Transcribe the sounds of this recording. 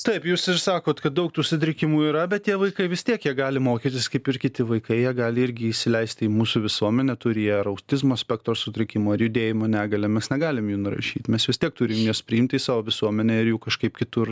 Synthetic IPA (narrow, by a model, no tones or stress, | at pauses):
t̪ɐɪpjuːsɪrsɑːkoːt̪kɐt̪̚d̪ɐʊk̚t̪uːsʊt̪ʲɾʲɪkʲɪmuːiːɾɐbʲɛt̪̚t̪ʲiɛʋɐɪkɐɪʋʲɪst̪ʲiɛkjiɛɡɑːlʲɪmoːkʲiːt̪ʲɪskɐɪpɪrkʲɪt̪ʲɪʋɐɪkɐɪjiɛɡɑːlʲɪɪɾʲɡʲɪiʃʲsʲɪlʲɛɪsʲt̪ʲimuːsʊːʋʲɪsuɔmʲɛnʲɛt̪ʊɾʲɪjɛɐɾɐʊt̪ʲɪzmoːsʲpʲɛkt̪ɾoːsʊt̪ʲɾʲɪkʲɪmoːɐrjʊd̪ʲeːjɪmoːnʲæːɡɐlʲɛmʲɛsnʲɛɡɑːlʲɪmjuːnʊɾɐ̰ʃʲiːt̪mʲɛsʋʲɪstʲiɛk̚t̪ʊɾʲɪmjoːspʲɾʲɪɪmʲt̪ʲiːsɑːʋoːʋʲɪsuɔmʲɛnʲɛɪɾjuːkɐʃkɐɪpkʲɪt̪ʊr